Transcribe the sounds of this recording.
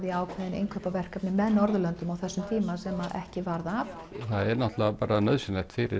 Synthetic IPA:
ðiaːwkʰvɛðɪnḛjŋkʰœːpavɛr̥kapnɪmɛðnɔɾðʏlœnt̪ʏmawθɛsːʏmt̪ʰiːmasɛmaʔɛ̰hcɪvaɾðav | θaðɛɾnaht̪lapaːɾanœðsʏnɛht̪fɪːɾɪ̰

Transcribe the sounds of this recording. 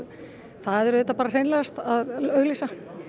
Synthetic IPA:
θaðɛɾðɛt̪ːapaːɾasejnlɛast̪aðœɣlisa

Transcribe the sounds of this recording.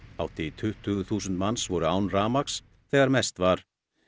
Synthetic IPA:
awht̪ɪit̪ʰʏht̪ʰːʏːɣʏθuːsʏnt̪mansvɔɾʏaːwnraːmaks | θɛːɣaɾmɛst̪vaɾ̥

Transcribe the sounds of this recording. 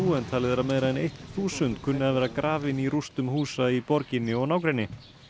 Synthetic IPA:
uːɛnt̪ʰalɪðɛɾameðɾaðɛnejht̪θuːsʏnt̪kʰʏnːɪaðvɛːɾakɾʔaːvɪniɾust̪ʏmhuːsaipɔɾcɪnːɪɔɣnaːwkɾejnːɪ

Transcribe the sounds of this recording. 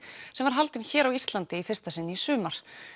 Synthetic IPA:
sɛmvaɾ̥ɦalt̪ɪnçɛːɾawist̪lant̪ɪifɪrst̪asɪnːɪisʏːmaɾ̥

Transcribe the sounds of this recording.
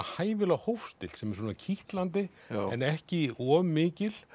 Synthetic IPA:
haːjvɪlaɣhowfst̪ɪl̥sɛmɛɾ̥s̬oːnacʰiht̪lant̪̬ɪ | ɛnɛhcɪɔːmːɪːcɪl̥

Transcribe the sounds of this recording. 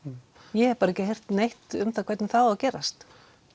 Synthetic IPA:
jɛɛ̥paɾaɛcɪɦejr̥t̪nejht̪ʏmθakʰvɛjt̪nɪmθawawcɛːɾa̰st̪

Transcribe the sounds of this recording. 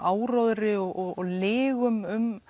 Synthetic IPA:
aːwɾɔðɾɪɔɔɔlɪːɣʏmʏm

